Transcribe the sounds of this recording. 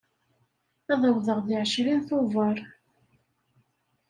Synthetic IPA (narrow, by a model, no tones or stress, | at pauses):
æðˤəwðəʁðɪʕʃɾinθʊvəɾˤ